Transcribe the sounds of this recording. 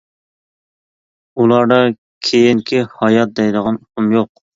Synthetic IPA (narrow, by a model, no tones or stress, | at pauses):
ulˠɑɾd̪ɑ | kʲʰejiŋkʲʰɪhɑjɑt̪̚d̪ɛjd̪əʁɑnuqʰumjoq